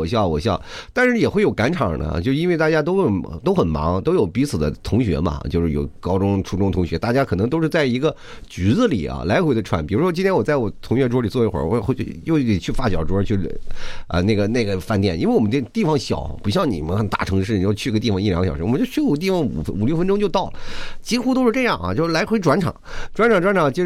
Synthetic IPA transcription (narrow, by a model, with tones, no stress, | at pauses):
ɔ˨˩ɕjɑ˥˩ʊwɔ˨˩ɕjɑ˥˩ʊt̪a˥˧nʂɻ̩˥˩jɛ˨˩xwe˥˩ɪjo˨˩ʊka˧˥nʈ͡ʂʰɑ˨˩nə̰˦t͡ɕjo˥˧ʊʂɻ̩˧i˥nwɪt̪a˥˩t͡ɕja˥t̪̬o˥ʊə˨˩t̪o˥ʊxə˨˩nmɑ̰˧˥ŋt̪o˥ʊjo˨˩ʊpi˧˥t͡sʰɹ̩˨˩d̪ə̰˦t̪ʰʊ˧˥ŋɕɥɛ̰˧˥mɐ̰˨t͡ɕjo˥˧ʊʂɻ̩˥˩jo̰˨˩ʊkɑ˥ʊʈ͡ʂʊ˥ŋʈ͡ʂʰu˧˥ʈ͡ʂʊ˥ŋt̪ʰʊ˧˥ŋɕɥɛ˧˥t̪a˥˩t͡ɕja˥kʰɤ˨˩nɤ˧˥ŋt̪o˥ʊʂɻ̩˥˧t͡sa˥˩ɪi˧˥ɡə˧ | t͡ɕy˧˥d͡z̩˧lḭ˨˩˦ɐ̰˧la˧˥ɪxwe˧˥ɪd̪ə˧ʈ͡ʂʰwa̰˧˥npi˨˩ɻu˧˥ʂwɔ˥t͡ɕi˥nt̪ʰjɛ˥wt͡sa˥˩ɪwɔ˨˩t̪ʰʊ˧˥ŋɥɛ˥˧ʈ͡ʂwɔ˥li˨˩t͡swɔ˥˩i˥xwə̰˧˥wɔ˧˥xjo˥˧ʊi˥˩i˨˩t͡ɕʰy˥˧fa˥˩t͡ɕjɑ˨˩ʊʈ͡ʂwɔ˥t͡ɕʰy˥˩ | ə̰˧ne˥˩ɡə˩ne˥˩ɡə˩fa˥˧nt̪jɛ˥˩ni˥nwe˥˩wɔ˨˩mə˦nə˥˧t̪i˥˩fɑ˧˩ŋɕjɑ̰˨˩˦ʊpu˧˥ɕjɑ˥˩ŋni˨˩mə˦nxə˨˩nt̪a˥˩ʈ͡ʂʰɤ˧˥ŋʂɻ̩˥˩ni˨˩jʊt͡ɕʰy˥˧˥ə˧t̪i˥˩fɑ˨˧ŋi˥˩lɑ˨˥ŋə˩jɑ˨˩ɻ̩˧˥wɔ˨m˦t͡ɕjo˥˧ʊt͡ɕʰt̪̬i˥˩fɑ˥˩ŋṵ˨˩fu˨˩ljo˥˩ʊə˥nʈ͡ʂʊ̃˥ŋt͡ɕo˥˧ʊt̪ɑ˥˩ʊlə˨˩t͡ɕi˥xu˥t̪o˥ʊʂɻ̩˥˧ʈ͡ʂɤ˥˧jɑ˥˩ŋɐ̰˩t͡ɕjo˥˧ʂ̩˥˩la˧˥ɪxwe˧˥ɪʈ͡ʂwa˧˥nʈ͡ʂʰɑ̰˨˩˦ŋʈ͡ʂwa˧˥nʈ͡ʂʰɑ˨˩ŋʈ͡ʂwa˧˥nʈ͡ʂʰɑ˨˩ŋt͡ɕʰi˧˥